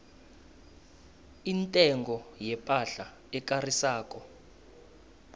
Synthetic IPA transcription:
intʼɛŋɡɔjɛpʼaɬa | ɛk̬ʼarisaːk̬ʼɔ

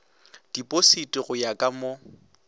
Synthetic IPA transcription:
d̥ipʼositʼɪɣʊjakʼamo

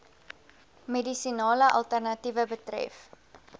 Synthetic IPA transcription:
medisinɑːləʔɐ̰lˠtərnɐtivəbətrɛ̰f

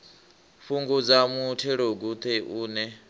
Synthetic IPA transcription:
ɸuŋɡud͡zamutʰɛɺoɡut̪ʰɛʔuːnɛ

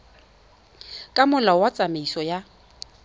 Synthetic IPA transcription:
kʼamʊlawat͡sʼameisɔja

